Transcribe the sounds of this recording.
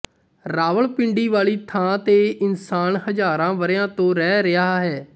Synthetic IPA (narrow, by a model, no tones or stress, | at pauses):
ɾaːʋəɭpɪɳɖiːʋaːɭiːt̪ʰãːt̪eːʔɪnsaːnɦəd͡ʒaːɾãːʋəɾjãːt̪õːɾɛːɾɪaːɦɛː